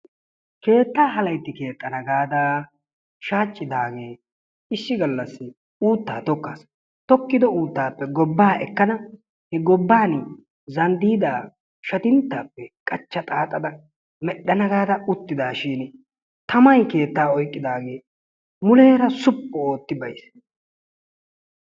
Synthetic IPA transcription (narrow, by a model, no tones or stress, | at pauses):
ke̞ːt̪ːaːɦɐlɐjt̪ːɪke̞ːt̪ʼːɐnɐɡaːd̪aː | ʃaːt͡ʃʼːɪd̪aːɡe̞ː | ɪʃːɪɡɐlːɐsːɪ | uːt̪ːa̰ːt̪ɔkːa̰ːs | t̪ɔkːɪd̪ɔuːt̪ːaːpːɛɡɔbːaːʔɛ̰kːɐnɐ | hɛɡɔbːaːn | zɐnd̪iːd̪aː | ʃɐt̪ɪnt̪ːaːpːɛkʼɐt͡ʃːɐt̪ʼaːt̪ʼɐd̪ɐ | mɛɗːɐnɐɡaːd̪ɐʊt̪ːɪd̪aːʃɪːn | t̪ʰɐmɐjke̞ːt̪ːaːɔjkʼːɪd̪aːɡe̞ː | mʊleːɾɐsʊpːɔoːt̪ːɪbɐjs